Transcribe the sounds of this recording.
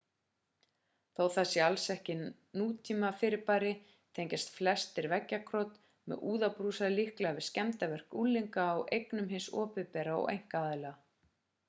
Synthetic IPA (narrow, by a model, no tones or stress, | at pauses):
θowθasɛalsɛhcɪ | nuːt̪ʰiːmafɪɾɪɾpaːɾɪ | t̪ʰejɲcast̪flɛst̪ɪɾvɛcːakʰɾɔt̪ | mɛ̰ʔuːðawpɾuːsaðlihklɛavɪðscɛmt̪avɛr̥kulːiŋkaːwḛjknʏmɦɪnsɔ̰ːpɪpɛːɾaɔ̰ʔḛjŋ̥kaaːðlɛɣa